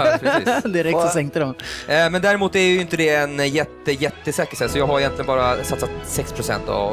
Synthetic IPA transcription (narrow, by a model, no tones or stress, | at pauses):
ɾːd̪ɪɾɛktsɔsɛŋkt̪əd̪ɔmmɛnd̪æːɾɪmuːt̪æɾjʏjʏnt̪əd̪ɛːnjɛt̪ːəjɛt̪ːəsɛːkəʂhɛːt̪sɔjɑːɡhaɾɛjɛnt̪lɪɡənbɑːɾasat̪sːat̪sɛkspʰɾʊsɛ̰nt̪a̰v